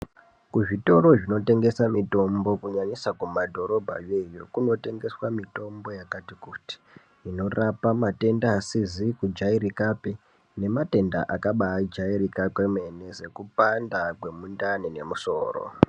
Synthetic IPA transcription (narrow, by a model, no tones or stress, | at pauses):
kuʐito̞ɾo̞ʐino̞te̞ŋɡe̞samito̞mbo̞kuɲaɲisakumadʱo̞ɾo̞bʱa̰jejo̞̰kuno̞te̞ŋɡe̞swamito̞mbo̞jakatikuti̥ | ino̞rapamate̞ndaːsizikud͡ʒaiɾikape | ne̞mate̞nda̰ʔakaɓaːd͡ʒairikakweme̞ne̞ze̞kupandakwe̞mundanine̞muso̞ːro̰